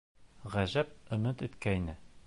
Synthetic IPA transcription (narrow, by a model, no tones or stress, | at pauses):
ʁæʑæp̚ɤ̆mɤt̪ɵ̆t̪kæjnɘ